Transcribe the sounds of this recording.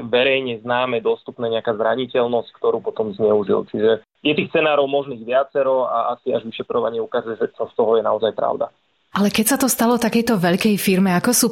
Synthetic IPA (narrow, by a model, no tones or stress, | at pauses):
ʋɛɾɛjɲɛznaːmɛd̪ɔst̪upnɛːɲɛakaːzɾaɲicɛlnɔsckt̪ɔɾuːpɔt̪ɔmzɲɛuʒḭlt͡ʃiʒɛ | jɛt̪iːxt͡sɛnaːɾɔʊmɔʒniːɣʋɪat͡sɛɾɔaasiaʒʋiʃɛt̪ɾɔʋaɲɪɛukaːzujɛʒɛt͡ʃɔst̪ɔɦɔjɛnaɔzajpɾa̰ʊd̪a̰ | ʔalɛkɛcsat̪ɔst̪alɔt̪akɛjt̪ɔʋɛʎkɛjfiɾmɛakɔsuː